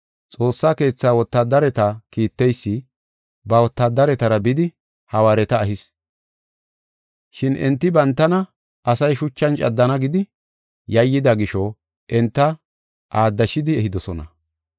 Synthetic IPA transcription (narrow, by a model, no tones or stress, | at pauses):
t͡sʼo̞ːsːaːke̞ːt͡sːaːwɔt̪ːaːd̪ːɐɾɛt̪ɐkiːt̪ːɛjsːɪ | bɐwɔt̪ːaːd̪ːɐɾɛt̪ɐɾɐbɪd̪ɪ | hɐwaːɾɛt̪ɐːɦɪs | ʃɪnʔɛ̰nt̪ːɪbɐnt̪ːɐnɐ | ɐsɐjʃʊt͡ʃːɐnt͡ʃʼɐ̰d̪ːɐnɐɡɪd̪ɪ | jɐjːɪd̪ɐɡɪʃɔ | ʔɛnt̪ːɐ | ʔaːd̪ːɐʃɪd̪ɪɛhɪd̪ɔsɔnɐ̰